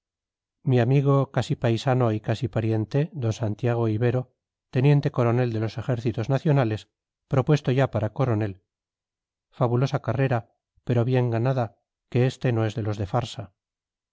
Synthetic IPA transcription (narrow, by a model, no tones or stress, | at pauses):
miamiɣ̞o̞kasipajsano̞ikasipaɾje̞nt̪eðo̞nsant̪jaɣ̞o̞iβe̞ɾo̞ | t̪e̞nje̞nt̪e̞ko̞ɾo̞ne̞ld̪e̞lo̞se̞xe̞ɾθit̪o̞znaθjo̞nale̞s | pɾo̞pwe̞st̪o̞ʝapaɾako̞ɾo̞ne̞l | faβulo̞sakare̞ɾa | pe̞ɾo̞βje̞ŋɡanaða | ke̞est̪e̞no̞e̞zðe̞lo̞zðe̞faɾsa